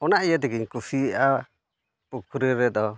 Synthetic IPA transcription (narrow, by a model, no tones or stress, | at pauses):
ɔnaʔijad̪ɛɡiɲkusiʔa | pukʰuɾiɾɛd̪ɔ